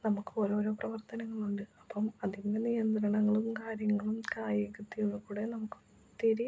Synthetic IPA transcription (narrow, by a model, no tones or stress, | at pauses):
nɐmukːɨo̞ːɾo̞ːɾo̞ːprɐʋɐrt̪ɐnɐŋːɐɭuɳɖɨɐpːɐmɐðindenijɐnd̪ɾɐɳɐŋːɐɭumkaːɾjɐŋːɐɭumkaːjjɐkut̪ːijuɭːɐkuːɽe̞nɐmukːɨ̥ | t̪iɾi